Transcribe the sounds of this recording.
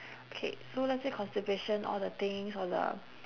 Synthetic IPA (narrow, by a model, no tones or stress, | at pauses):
okʰḛsolɛtsekʰɔ̃nstipeʃə̃nʔɔ̰ldət̪ɪ̃ŋsɔdə̰